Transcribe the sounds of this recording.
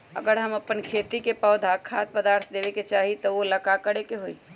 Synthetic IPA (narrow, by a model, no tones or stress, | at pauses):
ə̰ɡəɾɦəməpːənkʰeːt̪ikepəːd̪ʱakʰat̪̚pəd̪aːɾt̪ʰd̪eːʋeket͡ʃaːɦit̪ɔoləkakəɽekeɦoi